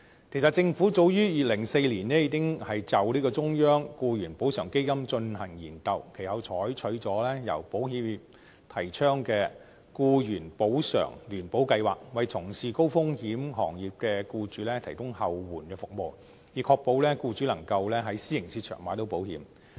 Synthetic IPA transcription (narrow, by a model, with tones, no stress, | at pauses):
kkʰe˨˩js̬ɐ˨t̚t͡sɪ˧ŋfuː˨˥t͡so˧wjyː˥jiː˨˩lɪ˨˩ŋse˧jliː˨˩nnɛː˥jiː˨˧˥ɪ˥ŋhɐ˨jt͡sɐ˨wliː˥kɔː˧t͡sʊ˥ŋjœː˥ŋkuː˧jyː˨˩npo˨˥wsœː˨˩ŋke˥jkɐ˥mt͡ʃɵ˧nhɐ˨˩ŋjḭː˨˩nkɐ˧wkʰe˨˩hɐ˨˧wt͡sʰɔː˨˥jt͡ʃʰɵ˨˥ɥt͡sɔː˨˥lɛː˥jɐ̰˨˩wpo˨˥whiː˨˧m˨p̚ | t̪ʰɐ˨˩jt͡ʃʰœː˥ŋkɛː˧ | kuː˧jyː˨˩npo˨˥wsœ̰ː˨˩ŋlyː˨˩npo˨˥wkɐ˧jwa̰ː˨˩k̚wɐ˨˧jt͡sʰʊ˨˩ŋsiː˨˧ko˥wfʊ˥ŋhiː˨˥mhɔ̰ː˨˩ŋjiː˨˩p̚kɛː˧kuː˧t͡ʃyː˨˥lɛː˥t̪ʰɐ˨˩jt̪ʊ˥ŋhɐ˨wwuː˨˩nkɛː˧fʊ˨k̚mo˨˧w | jiː˨˩kʰɔː˧k̚po˧wlɛː˥kuː˧t͡ʃy˨˥lɐ˨˩ŋkɐ˧wlɛː˥ɦɐ˨˥jsiː˥ɪ˨˩ŋsiː˧t͡ʃʰœ̰ː˨˩ŋmaː˨˥t̪o˥wpo˨˥whḭː˨˥m